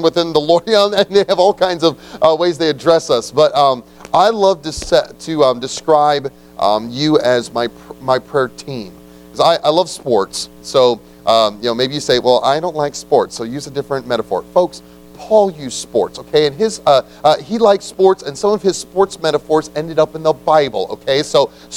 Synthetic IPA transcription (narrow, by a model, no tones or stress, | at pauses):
nwəθɪ̃nðəlɔɹiə̃nɨ̃nðeɪɨvɔlˠkʰãɪ̃ndzʌvʔʌweɪzðeɪɨdɹɛsʌsb̥ʌɾʌ̃m | ʔaɪlʌv̥tɨsɛtʰɨʌ̃mdɨskɹaɪb | ʔʌ̰̃mjɨɨzmaɪpʰmaɪpʰɹ̥ɛɹtʰĩm | kʰʌzaɪʔaɪlʌv̥spɔɹts | soʊ | ʔʌjɨnoʊmeɪbijɨseɪwɛlˠʔa̰ɪɾõʊ̃nʔlaɪkspɔɹtsoʊjʉzɨdɪfɹɨ̃nmɛɾəfɔ̰ɹfoʊks | pʰɔlˠjʉz̥spɔ̰ɹtsoʊkʰeɪɨ̃nɪzʌ | ʌilaɪkspɔɹtsɨ̃nsʌ̃mʌv̥ɨz̥spɔɹtsmɛɾəfɔɹzɛ̃ndɨɾʌpnðəbaɪbl̩ˠo̰ʊkʰeɪsoʊ